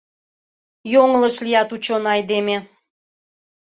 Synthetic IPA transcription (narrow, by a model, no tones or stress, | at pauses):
joŋləʃlijɑt̪ut͡ɕonɑjd̪eme